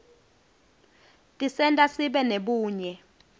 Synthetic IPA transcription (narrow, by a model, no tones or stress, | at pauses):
tʼisɛntʼasiɓɛneɓuːɲɛ